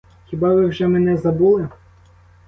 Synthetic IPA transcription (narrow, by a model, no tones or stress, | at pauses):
xʲibɑʋɪwʒɛmenɛzɐbulˠɪ